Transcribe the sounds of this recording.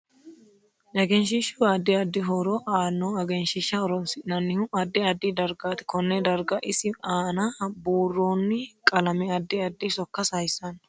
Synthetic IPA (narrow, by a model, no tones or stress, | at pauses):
nɐɡɛnʃiʃuːɐd̪ːɪɐd̪ːɪɦɔɾoːʔaːnːoːɐɡɛnʃɪʃːɐɔɾɔnsɪnɐnːɪhʊɐd̪ːɪɐd̪ːɪd̪ɐɾɡaːt̪ɪ̥kɔnːɛd̪ɐɾɡɐʔɪsɪaːnaːboːrːoːnːɪkʼɐlɐmɛɐd̪ːɪɐd̪ːɪsɔkːɐsɐjsɐn